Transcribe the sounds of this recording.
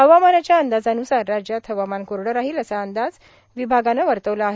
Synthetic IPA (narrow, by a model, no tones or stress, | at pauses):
ɦəʋamanat͡ɕjaənd̪ad͡zanusaɾːad͡ʑjat̪ʰəʋamankoɾɽəɾaɦiːləsaənd̪ad͡z | ʋibʱaɡanəʋəɾt̪əʋlaaɦe